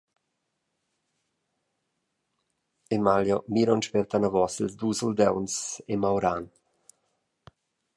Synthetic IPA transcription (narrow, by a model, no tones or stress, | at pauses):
emaljɔmiɾɔnʃpɛɾt̪anɔvɔsilsd̪usuld̪ɛwnsemawɾan